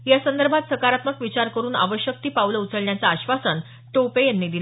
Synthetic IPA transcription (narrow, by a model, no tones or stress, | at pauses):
jasənd̪əɾbʱat̪səkaɾat̪məkʋit͡ɕaɾkəɾuːna̰ʋəɕjək̚t̪iːpawləut͡səɭɳjat͡saːɕʋasən | t̪opejanːiːd̪il